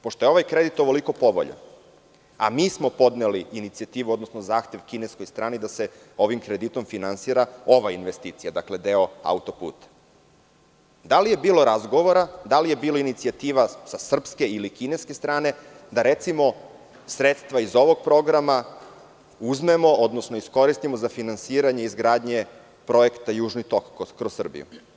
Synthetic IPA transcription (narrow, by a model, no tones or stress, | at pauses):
poʃt̪o̞jeo̞ʋajkɾe̞d̪it̪oʋo̞liko̞po̞ʋo̰ʎo̰ | a̰miːsmo̞po̞d̪neliːnit̪siat̪iːʋuod̪nosnozaːxt̪e̞ʋkineskojst̪ɾaːnid̪aseo̞ʋimkɾed̪it̪o̞mfinansiːɾao̞ʋainʋest̪iːt̪sijad̪akle̞d̪e̞o̞a̰ut̪o̞pṵːt̪ḁ | d̪alije̞biːlo̞ɾazɡoʋoɾad̪alije̞biːlo̞init̪siat̪iːʋasasr̩pske̞ilikine̞ske̞st̪ɾaːne̞ | d̪aɾe̞t̪simo̞ | sɾet̪st̪ʋaizo̞ʋo̞ɡ̚pɾo̞ɡɾama | uzme̞mo̞o̞d̪nosnoisko̞ɾist̪imozafinansiːɾaɲeizɡɾaːd̪ɲe̞ | pɾo̞ekt̪ajuːʒnit̪o̞kkːɾosːr̩bḭjṵ